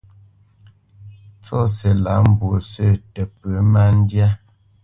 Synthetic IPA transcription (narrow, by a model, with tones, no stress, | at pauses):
t͡sɔ˦˨se˨la˨˦m̩˦˨bwo˨sə˦˨tə˨pə˨˦ma˦n˦dja˦